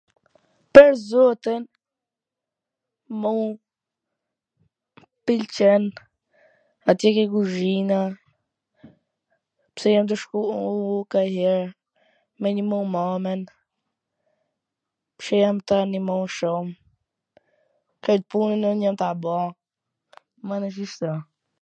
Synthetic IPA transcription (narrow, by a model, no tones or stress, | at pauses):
pɛɾzɔt̪in | mu | pilt͡ʃɛn | at̪jɛkɛkuzina | psɛjamt̪̬əʃkuukaɦɛɾ | mɛnimowmamɛn | pʃɛjamt̪animoʃɔm | kɛd̪̚punɛnɔnɲamt̪abɔ | manəʃ̬iʃt̪a